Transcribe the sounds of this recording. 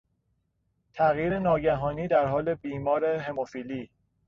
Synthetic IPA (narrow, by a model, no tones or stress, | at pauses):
t̪ʰæɣjiːɾenɒːɟæɦɒːniːd̪æɾɦɒːle̞biːmɒːɾe̞ɦe̞mofiːliː